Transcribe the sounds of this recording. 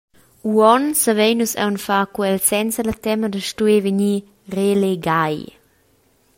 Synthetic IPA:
uɔnsəvejnusɛ̰wnfaːkwɛlsɛnsələt̪ɛmədəʃtuevəɲi | releɡaj

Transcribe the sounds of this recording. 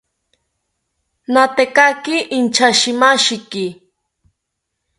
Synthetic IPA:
nat̪ekakɪʔɪnt͡ʃaʃɪmaʃɪkɪ

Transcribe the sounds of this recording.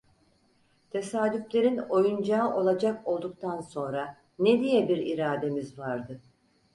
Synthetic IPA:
t̪ʰe̞saːd̪yflʲe̞ɾino̞jund͡ʒaːʔo̞lˠad͡ʒako̞lˠd̪uk̚t̪ʰanso̞nɾa | ned̪ijɛbiɾiɾaːd̪e̞mizvaɾd̪ɯ

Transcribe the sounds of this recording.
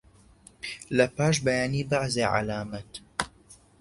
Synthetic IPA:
lɐpaːʃ̬bɐjaːniːbaʕzeːʕa̰laːmɐt̪

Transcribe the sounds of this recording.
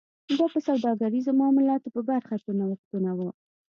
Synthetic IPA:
d̪ɑpəsawd̪ɑɡaɾizomɑmʊlɑt̪opəbaɾxat̪unawəxt̪unawə

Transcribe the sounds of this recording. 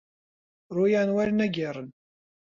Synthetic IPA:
ɾˤujanwælənæɡiɾˤən

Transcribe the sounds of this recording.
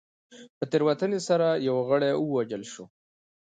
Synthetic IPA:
pət̪eɾwat̪ənesaɾajawaɣəɽauwad͡ʒəlʃo

